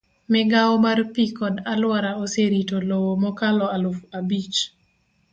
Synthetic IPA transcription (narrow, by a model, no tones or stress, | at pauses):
mɪɡawɔmarpikɔdalwaɾaoseɾitolowomɔkalɔalʊfabit͡ʃ